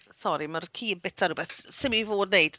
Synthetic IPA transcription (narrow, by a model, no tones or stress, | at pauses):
sɔɾimarkʰiːəbɪtʰaɾubɛθsɪmivoːdnejd̥